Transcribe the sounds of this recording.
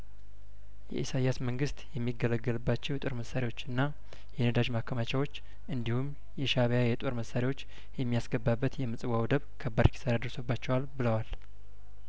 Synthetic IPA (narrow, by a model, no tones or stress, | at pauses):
jɛ̰ʔisajasməŋɡɨst̪jɛmːiɡːələɡːəlɨbːat͡ʃːɛwjɛt̪ʼo̞ɾməsːaɾewo̞t͡ʃːɨnːa | jɛnəd̪aʒmakʰːəmat͡ʃʰawo̞t͡ʃː | ʔɨnd̪ihum | jɛʃaβjajɛt̪ʼo̞ɾməsːaɾewo̞t͡ʃː | jɛmːijasɡəbːabːət̪jɛmɨsʼɨwawd̪əβkʰəbːəɾkʰi̥səɾad̪əɾsəbːat͡ʃːɛwalbɨləwal